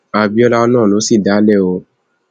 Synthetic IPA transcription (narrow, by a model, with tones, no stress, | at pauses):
a˧bi˦ɔ˦la˧ɔ˧nã˦˨lo˨˦si˦˨da˨˦lɛ˦˨o˧